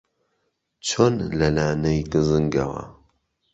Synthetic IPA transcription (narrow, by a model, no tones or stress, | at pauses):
t͡ʃʰonlɐlaːnɐjɡɨzɨŋɡɐwɐ̰